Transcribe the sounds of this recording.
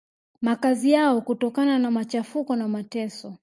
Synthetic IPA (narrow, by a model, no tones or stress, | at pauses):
makazijaɔkutɔkananamat͡ʃafukɔnamatɛsɔ